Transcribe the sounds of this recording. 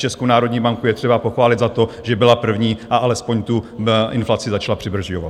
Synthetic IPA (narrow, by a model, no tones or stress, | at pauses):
t͡ʃɛskownaːɾo̞dɲiːbaŋkujɛt̪r̝̥ɛbapo̞xvaːlɪd̪zat̪o̞ʒɛbɪlapr̩vɲiːʔaʔalɛspoɲt̪uʔɪnflat͡sɪzat͡ʃlapr̥ɪbr̩ʒjovat̪̚